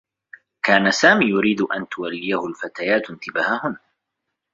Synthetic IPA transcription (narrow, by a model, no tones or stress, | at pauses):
kaːnasaːmiːjʊɾiːd̪ʊʔa̰nt̪ʊwalːɪjahʊlfat̪aːjaːt̪ɪnt̪ɪbaːhahʊm